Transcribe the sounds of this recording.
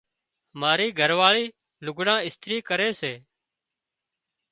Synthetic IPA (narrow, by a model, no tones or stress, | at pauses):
maːɾiːɡʱəɾʋaːɭiː | lʊɡʱɽãːɪst̪ɾiːkəɾeːseː